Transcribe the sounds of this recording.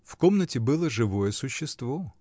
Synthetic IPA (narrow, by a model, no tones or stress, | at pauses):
fkomnətʲɪbɨlˠəʐɨvojəsʊɕːɪst̪vo